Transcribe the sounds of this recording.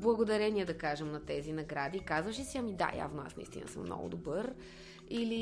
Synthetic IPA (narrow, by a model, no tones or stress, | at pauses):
blˠɐɡod̪ɐɾɛnʲiɛd̪ɐkaʒɛmnɐt̪ɛzinɐɡɾad̪ikazvəʃ̬ɛsiɐmid̪a̰ja̰vnoa̰snɐḭst̪inɐ̰sə̰mːnɔ̰ɡʊ̰d̪obɤɾ | ili